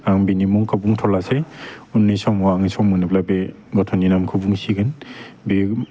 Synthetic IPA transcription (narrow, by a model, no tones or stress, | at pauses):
aŋbinimuŋkabuŋtʰɔlaseunːisɔmɔaŋsɔmɯnɯplabe | ɡɔtʰɔninamkʰɯbuŋsiɡɯnbe